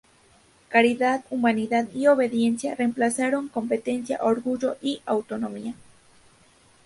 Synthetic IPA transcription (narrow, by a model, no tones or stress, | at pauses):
kaɾiðat̪umaniðat̪ioβe̞ðje̞nsja̰re̞mplasaɾo̞ŋko̞mpe̞t̪e̞nsja̰ʔoɾɡuʝo̞ʔiawt̪onomia